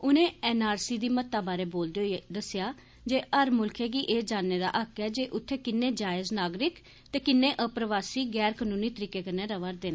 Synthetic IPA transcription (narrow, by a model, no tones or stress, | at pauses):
ʊnẽːɛːnaːɾsiːd̪iːmət̪ːaːbaːɾeːboːld̪eod̪əsɪjaː | d͡ʒeːəɾmʊlkʰeːkiʔeːd͡ʒaːnːeːd̪a̰ːʔəkɛːd͡ʒeːʔʊt̪ʰːeːkɪnːẽːd͡ʒaːɪznaːɡɾɪk | t̪eːkɪnːẽːʔəpɾʋaːsiːɡɛːɾkənũːniːt̪əɾiːkeːkəɾnẽːɾəʋaɾd̪eːnaː